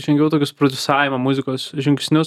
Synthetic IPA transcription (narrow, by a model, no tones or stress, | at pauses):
ʒʲɛŋʲɡʲɛʊt̪oːkʲʊspɾod̪ʲʊsɑːjʲɪmɐmʊzʲɪkoːsʒʲɪŋʲkʲsʲnʲʊ